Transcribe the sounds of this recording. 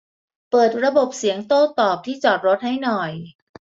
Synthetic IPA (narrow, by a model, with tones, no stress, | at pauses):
pɤː˨˩t̪̚ɾa˧bo˨˩p̚si˩˦əŋt̪oː˥˩t̪ɔː˨˩p̚t̪ʰiː˥˩t͡ɕɔː˨˩t̪̚ɾo˦˥t̪̚ha˥˩jnɔ˨˩j